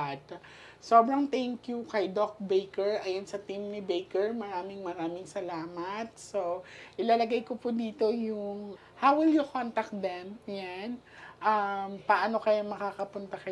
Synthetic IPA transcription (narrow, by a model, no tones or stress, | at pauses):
t̪ | soːbɾɐŋt̪ɛŋkjukɐjd̪ok̚bejkɛɹʔɐjɐnsɐt̪imnɪbɛjkɛɹmɐɾaːmɪŋmɐɾaːmɪŋsɐlaːmɐt̪̚soʔɪlaːlɐɡajkopʊd̪iːt̪o̞jʊŋ | hawwɪljʊkont̪ɐk̚t̪d̪ɛmjan | ʔɐmpɐʔano̞kɐjomɐkakɐpʊnt̪ɐkɐ